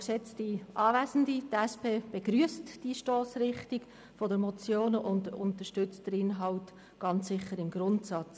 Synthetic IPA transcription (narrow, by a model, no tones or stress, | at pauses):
ksɛt͡stiʔɑːvæzən̩ditɛspʰeːb̥eɡɾyəstd̥iʃtoːsɾɪχtik | fɔdəmɔt͡sjoːnəʔʊndʊntəʃtʏt͡std̥əɾɪnɦɑʊt | ɡ̥ɑnt͡ssɪχːəɾɪmɡ̥ɾʊntsɑt͡s